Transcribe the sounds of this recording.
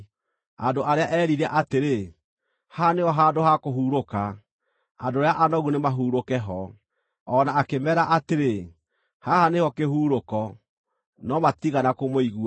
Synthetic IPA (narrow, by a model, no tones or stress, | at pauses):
andoʔaɾeaʔɛːɾiɾɛʔateɾe | haneɔɦaːdoɦakoɦuːɾoka | adoɾeaʔanɔɣunemaɦuːɾokɛɦɔ | ɔnaːkemɛɾaʔateɾe | hahanehɔkehuːɾokɔ | nɔmatiɣanakomoiɣua